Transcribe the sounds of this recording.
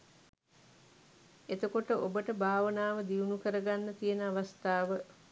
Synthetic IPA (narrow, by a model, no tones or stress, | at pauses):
et̪əkoʈəʔobəʈəbʱaːʋənaːʋəd̪iunukəɾəɡanːət̪ijənəaʋast̪aːʋə